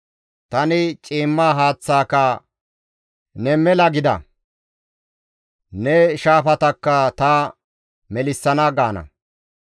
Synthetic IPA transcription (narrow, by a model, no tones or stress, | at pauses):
t̪ɐnɪt͡ʃʼiːmːaːɦaːt͡sːaːkɐ | nɛmɛlɐɡɪd̪ɐ̰ | nɛʃaːfɐt̪ɐkːɐt̪ɐ | mɛlɪsːɐnɐɡaːnɐ̰